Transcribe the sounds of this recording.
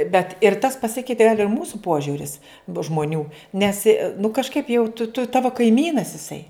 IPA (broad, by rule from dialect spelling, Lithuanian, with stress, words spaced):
bʲɛt ɪr tɐs pɐˈsʲɪkʲɛɪtʲeː ɡɐlʲ ɪr ˈmuːsʊ ˈpoːʒʲʊrʲɪs bʊ ʒmoːˈnʲuː ˈnʲɛs ɪ nʊ kɐʃˈkɐɪp jɛʊ tʊ tʊ ˈtɑːʋoː kɐɪˈmʲiːnɐs ɪˈsɐɪ